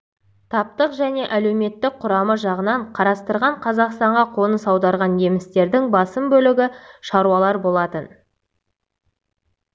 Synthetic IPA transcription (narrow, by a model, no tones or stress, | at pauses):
t̪ʰɑp̚t̪əqʒæne̞ʔæle̞wme̞t̪ːɪk̚qʰʊɾɑməʒɑʁənɑɴqʰɑɾɑst̪əɾʁɑɴqʰɑzɑqst̪ɑɴʁɑqʰo̞nəsɑwd̪ɑɾʁɑnje̞mɪst̪e̞ɾd̪ɪŋbɑsəmbɵlɪɡʲɪʃɑɾuwɑlˠɑɾbo̞lˠɑt̪ən